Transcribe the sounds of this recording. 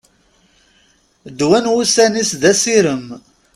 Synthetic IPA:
d̪wænwusænisðæsiɾəm

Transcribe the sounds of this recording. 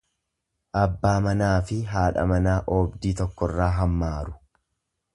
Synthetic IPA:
ʔɐbːaːmɐnaːfɪɦaːᶑɐ̰mɐnaːʔoːbd̪iːt̪ɔkːɔrːaːɦɐmːaːɾʊ̥

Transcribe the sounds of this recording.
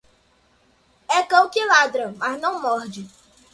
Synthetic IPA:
ɛkɐ̃w̃kɪlad̪ɾɐmaznɐ̃w̃mɔɾd͡ʒɪ

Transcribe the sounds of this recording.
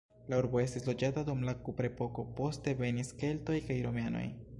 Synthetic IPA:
lauɾbo̞e̞stislo̞d͡ʒatadumlakupɾe̞po̞ko̞po̞ste̞ve̞niske̞lto̞jkajɾo̞meano̞̰j

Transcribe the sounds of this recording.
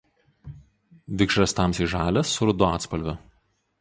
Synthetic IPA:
ʋʲɪkʃɾɐst̪ɑˑmsiːˑʒɑːlʲɛsːʊɾʊd̪ʊɑːt̪spɐlʲʋʲʊ

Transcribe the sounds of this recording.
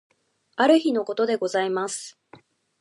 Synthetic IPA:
aɾɯ̟çino̞ko̞t̪o̞d̪e̞ɡo̞zaimasɨ̥

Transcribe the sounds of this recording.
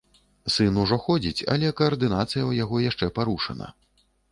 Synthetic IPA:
sɨnuʐɔxɔd͡zʲit͡sʲɐ̰lʲɛkɐɐrd̪ɨnat̪sɨjɐwjaɣɔjaʂt͡ʂɛpaɾuʂɐnɐ̰

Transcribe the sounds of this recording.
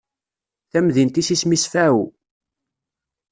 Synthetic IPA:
θæmðint̪isismisfæu

